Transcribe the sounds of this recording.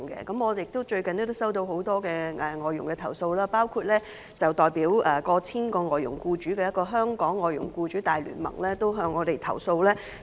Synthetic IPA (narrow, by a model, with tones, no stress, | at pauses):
ŋkɛ̰˧kɐ˨˥mɔː˨˧de˨jɪ˨k̚t̪o˥wt͡ʃɵ˧ɥkɐ˨niː˥t̪o˥sɐ˥wt̪o˧who˨˥wt̪ɔː˥kɛː˧ʔɛ˨˩ŋɔː˨˧jʊ˨˩ŋkɛː˧t̪ʰɐ˨˩wso˧wlaː˥paː˥wkʰuː˧t̚lɛː˥ | t͡sɐ˨˩wt̪ɔː˨˩jpiː˨˥wʔɛː˨˩kɔː˧t͡sʰiː˥nkɔː˧ŋɔː˨jʊ˨˩ŋkuː˧t͡ʃyː˨˥kɛː˧jɐ˥t̚kɔː˧ɦœː˥ŋkɔː˨˥ŋːɔː˨jʊ˨˩ŋkuː˧t͡ʃyː˨˥t̪aː˨jly̰ː˨˩nmɐ̰˨˩ŋlɛː˥t̪o˥wɦœː˧ŋːɔː˨˧t̪e˨jt̪ʰɐ̰˨˩wso˧wlɛː˥